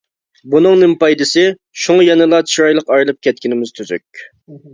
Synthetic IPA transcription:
bunɨŋnɪmpɑjd̪ɨsɪ | ʃuŋjɛnɨlˠɑt̪ʃɾɑjlˠəqɑjlˠɨp̚kʲʰɛt̪̚kʲinɪmɪz̥t̪ʰyzy̰kʲ

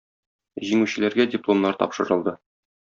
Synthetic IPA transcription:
ʑiŋʉɕɘ̆læɾɡædʲɪplˠomnɑɾt̪ɒ̰pʃɤ̆ɾɤ̆lˠd̪ɤ

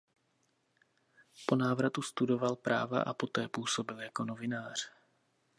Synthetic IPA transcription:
po̞naːvɾat̪ust̪udo̞valpɾʔa̰ːva̰ʔa̰po̞t̪ɛːpuːso̞bɪljako̞no̞vɪnaːr̝̥

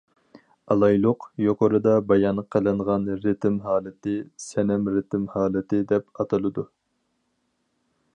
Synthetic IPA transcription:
ɑlˠɑjlˠʊqjoqoɾɨd̪ɑbɑjɑnqʰəlˠɨɴʁɑnɾɪt̪ɪmɦɑːlˠɨt̪ɪsɛnɛmɾɪt̪ʰɪmhɑːlˠɨt̪ɪd̪ɛpɑt̪ʰɨlˠɨd̪u

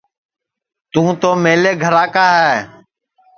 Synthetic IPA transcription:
t̪ũːt̪oːmeːleːɡʱəɾaːkaːɦɛː

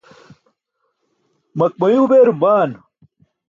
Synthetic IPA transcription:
mɐk̚mɐjuːbeːɾmaːn

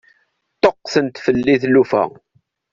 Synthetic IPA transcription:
t̪oqːθənt̪fəlːiθlufæ̰

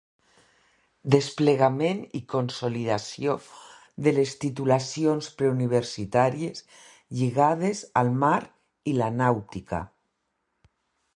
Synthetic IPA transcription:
d̪espleɣamenikonsoliðasio | ðelest̪it̪ulasionspɾeuniβ̞eɾsit̪aɾiez | ʎiɣað̞ezalˠmaɾ | ilanawt̪ika̰

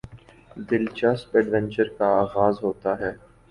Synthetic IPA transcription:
d̪ɪlt͡ʃaspɛɖʋɛ̃nt͡ʃəɾkaaːɣaːzɦoːt̪aɦɛː

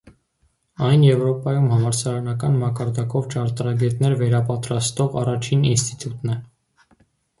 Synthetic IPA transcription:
ɑjnjɛvɾɔpɑjumhɑmɑɾsʰɑɾɑnɑkɑnmɑkɑɾd̪ɑkɔvt͡ʃʰɑɾt̪əɾɑɡɛt̪nɛɾvɛɾɑpɑt̪ɾɑst̪ɔʁɑ̰rɑt͡ʃʰininst̪i̥t̪ut̪nɛ

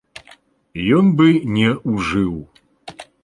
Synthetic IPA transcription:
jɔnbɨnʲɛuʐɨw

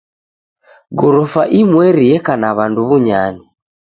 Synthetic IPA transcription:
ɡɔɾɔfaʔimwɛɾiɛkanaβanduβuɲaɲa

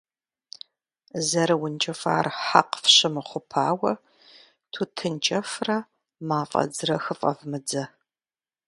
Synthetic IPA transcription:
zɐɾɨwʊnt͡ʃʼɐfa̰ːrħaqfɕɪmɨχʷʊpʰaːwɐ | tʰuːtʰɨnt͡ʃʼɐfrɐ | maːfʼɐ̰d͡zɨrɐxɨfʼɐ̰vmɨd͡zɐ

